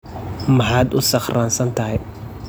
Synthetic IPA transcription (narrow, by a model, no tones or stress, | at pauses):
mɐħaːd̪ʊsɑχraːnsɐnt̪ʰɐɦɛj